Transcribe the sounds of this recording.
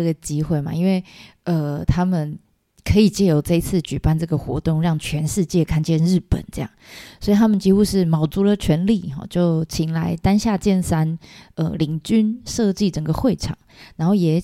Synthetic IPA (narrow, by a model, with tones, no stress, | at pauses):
ə˥˩ɡə˩t͡ɕi˥xwe˥˩ɪma̰˨i˥nwe˥˩ɪə˩t̪ʰa˥mə˨n | kʰə˧˥i˨˩t͡ɕjɛ˥˩jo˧˥ʊʈ͡ʂa˥˧i˧˥t͡sʰɹ̩˥˩t͡ɕy˨˩pa˥˧nʈ͡ʂɤ˥˩ɡə˩xwɔ̰˧˥t̪ʊ˥˨˧ŋɻɑ˥˩ŋt͡ɕʰɥɛ˧˥nʂɻ̩˥˧t͡ɕjɛ˥˧kʰa˥˧nt͡ɕjɛ˥˧nɻɻ̩˥˩pə̰˨˩˦nʈ͡ʂɤ˥˧jɑ̰˥˩ŋswɔ˧˥i˨t̪ʰa˥mə˨nt͡ɕi˥xu˥ʂɻ̩˥˩mɑ˨˩ʊt͡su˧˥lə˨t͡ɕʰɥɛ˧˥nli˥˩xɑ̰˨˩t͡ɕjo˥˩ʊt͡ɕʰi˨˩ŋla˧˦ɪt̪a˥nɕja˥˧t͡ɕjɛ˥˩nsa˥nə̰˧˩li˨˩ŋt͡ɕy˥nʂɤ˥˧t͡ɕi˥˩ʈ͡ʂə˨˩ŋɡə˦xwe˥˩ɪʈ͡ʂʰɑ̰˨˩ŋna˧˥nxo˥˩ʊjɛ˨˩